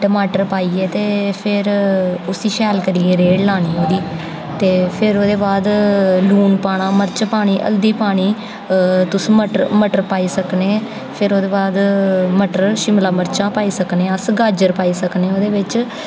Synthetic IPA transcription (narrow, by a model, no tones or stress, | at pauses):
ʈəmaːʈəɾpaːiːeːt̪eːpʰɪɾʊsiːʃɛːlkəɾiːeːɾeːɽlaːɽ̃iːɦoːd̪iː | t̪eːpʰɪɾoːd̪eːbaːd̪luːnpaːɽ̃ãːməɾt͡ʃpaːɽ̃iːʔə̰ld̪iːpaːɽ̃iː | t̪ʊsməʈəɾməʈəɾpaːiːsəkneː | pʰɪɾoːd̪eːbaːd̪məʈəɾʃɪmlaːməɾt͡ʃãːpaːiːsəknẽːəsɡaːd͡ʒəɾpaːiːsəkneːoːd̪eːʋɪt͡ʃ